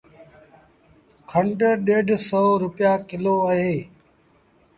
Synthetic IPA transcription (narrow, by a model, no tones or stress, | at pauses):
kʰəɳʈəɗeːɖʱsəoːɾʊpɪjaːkɪloːəɦeː